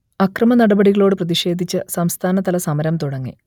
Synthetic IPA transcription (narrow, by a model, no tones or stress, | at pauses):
ɐkrɐmɐnɐɽɐbɐɽiɣɐɭo̞ːɽɨprɐðiʂe̞ːd̪ʱit͡ɕːɨsɐmst̪ʰaːnɐt̪ɐlɐsɐmɐɾɐmt̪uɽɐŋːḭ